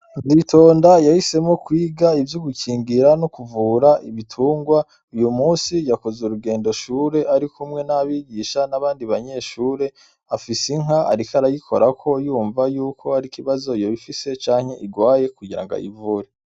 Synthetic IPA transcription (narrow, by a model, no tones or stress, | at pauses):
zitʰo̞ːndajahise̞mokwiːɡaivjoɡucʰiːŋɡiɾanokuvuːɾaʔiβitʰuːŋɡwa | ujumuːnsijakozeɾuɡe̞ːndo̞ʃuːɾe̞ʔaɾikumŋe̞naβiːɡiːʃanaβaːndiβaɲe̞ːʃuːɾe̞ | afisiŋɦaa̰ɾikaɾajikʰo̞̰ɾakʰo̞juːɱvajuːkʰo̞aɾikiβazo̞ijoβifise̞t͡ʃaːŋ̥he̞ʔiɡwaːje̞kuɡiɾa̰ŋɡa̰ḭvuɾe